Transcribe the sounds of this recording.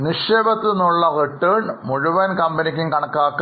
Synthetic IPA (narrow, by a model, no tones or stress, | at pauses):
niʂeːbɐt̪ːinːuɭːɐriʈːeːɳmuɻuʋɐnkɐmbɐnikʲːimkɐɳɐkːaːkː